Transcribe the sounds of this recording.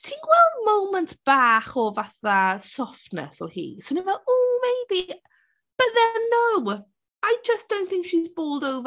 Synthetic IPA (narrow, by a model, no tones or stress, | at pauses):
tʰiːnɡ̥wɛlˠdmowmə̃ntb̥aːχɔvaθasɔftnə̰sɔ̰hḭːsonĩnvɛloːmeɪbi | b̥əʔðɛnow | ajd͡ʒəsd̥õw̃nθɪ̃ŋkʃizboːlˠdowv